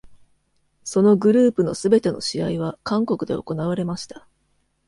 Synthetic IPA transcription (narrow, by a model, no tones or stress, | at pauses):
so̞noɡɯ̟ɾɯ̟ːpɯno̞sɨbe̞t̪e̞no̞ɕiaiβ̞akãŋko̞kɯ̟d̪e̞o̞̰ko̞naβ̞aɾe̞maɕi̥t̪ḁ